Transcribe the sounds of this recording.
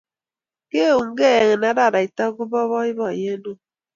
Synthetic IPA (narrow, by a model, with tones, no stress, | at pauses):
ke˦˨u˨ŋ̩˦ɡe˦˨ŋe˨na˦da˦˨ɾa˨i˨ta˦ɡu˦bɔ˦βɔ˦i˦bɔ˨je˦nu˦